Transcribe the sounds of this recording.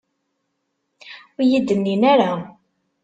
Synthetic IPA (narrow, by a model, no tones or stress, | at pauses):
ʊjid̪ənːinaɾa